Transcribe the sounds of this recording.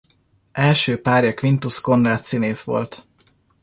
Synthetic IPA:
ʔɛlʃøːpaːrjɒkʋint̪usko̞nraːt̪sineːsʋo̞̰lt̪

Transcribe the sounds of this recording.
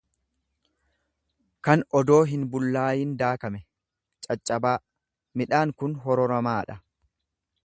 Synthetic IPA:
kɐnɔd̪o̞ːɦɪnbʊlːaːjind̪aːkɐmɛ | t͡ʃʼɐt͡ʃʼːɐbaː | mɪᶑaːŋkʊnɦɔɾɔɾɐmaːᶑɐ

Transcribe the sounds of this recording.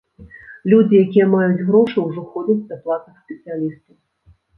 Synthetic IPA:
lʲud͡zʲijakʲijɛmajud͡zʲɣɾɔʂɨwʐɔxɔd͡zʲɛd͡zʲd̪ɐplˠat̪nɨxsʲpʲɛt̪sɨjalʲist̪ɐw

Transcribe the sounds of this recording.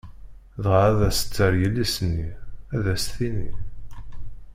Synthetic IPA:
ðʁʕæðæsə̥t͡sːəɾjəlːisənːiæðæsθini

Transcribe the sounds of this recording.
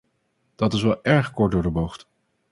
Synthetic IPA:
d̥ɑtɪs̬ʋɛlˠɛɹχkɔɹ̚dʊːɹdəbowχt

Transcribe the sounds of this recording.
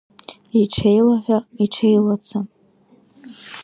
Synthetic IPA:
iʈ͡ʂʰejlaħʷaiʈ͡ʂʰejlat͡sʰa

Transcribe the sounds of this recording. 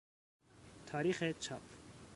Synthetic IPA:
t̪ʰɒːɾiːxet͡ʃʰɒ̰ːpʰ

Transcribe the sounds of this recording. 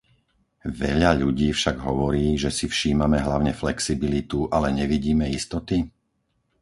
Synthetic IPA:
ʋɛʎaʎuɟiːfʃaɡɦɔʋɔɾiːʒɛsifʃiːmamɛɦlaʊɲɛflɛksibilit̪uʔalɛɲɛʋiɟiːmɛist̪ɔt̪i

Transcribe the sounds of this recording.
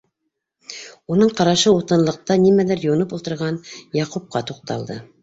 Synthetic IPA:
unɤɴqɑɾɑʃɤut̪ɤ̆nlˠɤ̆q̚t̪ɑnimælɘɾjŭnɤpulˠt̪ɤ̆ɾʁɑnjɑqup̚qɑt̪uq̚t̪ɑ̰lˠd̪ɤ̰

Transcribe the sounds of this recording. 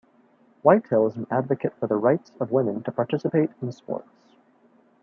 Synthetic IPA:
waɪtʰɛlˠzn̩ædvɨkɨtfə˞ðəɹaɪtsʌvwɪ̃mɨ̃ntʰəpʰɑɹtʰɪsɨpeɪɾɨ̃nspɔ̰ɹts

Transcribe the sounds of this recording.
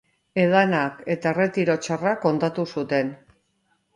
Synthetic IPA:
e̞ðanake̞t̪ae̞re̞t̪iɾo̞t͡ʃarako̞nt̪at̪usut̪e̞n

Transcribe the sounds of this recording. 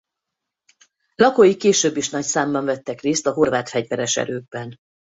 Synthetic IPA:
lɒkojikeːʃøːbːiʃnɒcsaːmbɒɱvɛt̪ːɛkreːst̪ɒɦo̞rvaːt̪fɛɟvɛɾɛʃɛ̰ɾøːɡ̚bɛn

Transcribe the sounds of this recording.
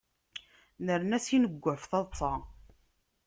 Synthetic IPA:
nəɾnæsinəɡʷːəfθɑðˤt͡sˤːɑ

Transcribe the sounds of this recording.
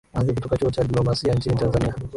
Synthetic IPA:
azikutɔkat͡ʃuɔt͡ʃadiplɔmasiaɲt͡ʃinitanzania

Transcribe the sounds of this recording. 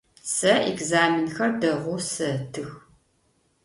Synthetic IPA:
sɐɛɡzaːmɪnxɐrdɐʁʷʊsɐtʰɨx

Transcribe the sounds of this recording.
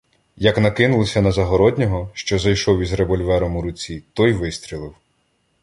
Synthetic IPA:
jɐknɐkɪnʊlˠɔsʲɐnɐzɐɦɔɾɔd̪ʲnʲɔɦɔʃt͡ʃɔzɐjʃɔwizɾeʋɔlʲʋɛɾɔmuɾʊt͡sʲit̪ɔjʋɪst̪ʲɾʲilˠɪw

